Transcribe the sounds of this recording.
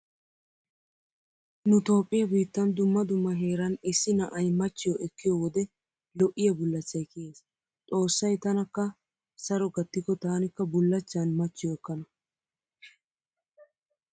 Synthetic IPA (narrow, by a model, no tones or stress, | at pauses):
nʊt̪o̞ːpʼːɪjɐbiːt̪ːɐnd̪ʊmːɐd̪ʊmːɐɦe̞ːɾɐnɪsːɪnɐʔɐjmɐt͡ʃːɪjɔʔɛkːɪjɔwɔd̪ɛ | lɔʔːɪjɐbʊlːɐt͡ʃːɐjkːɪjeːs | t͡sʼo̞ːsːɐjt̪ɐnɐkːɐ | sɐɾɔɡɐt̪ːɪkːɔt̪aːnɪkːɐbʊlːɐt͡ʃːɐnmɐt͡ʃːɪjɔɛkːɐnɐ